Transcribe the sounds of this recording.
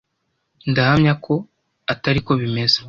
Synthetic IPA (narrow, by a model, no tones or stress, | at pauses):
ndahamɲakʰo̞ | ataɾiko̞βime̞ze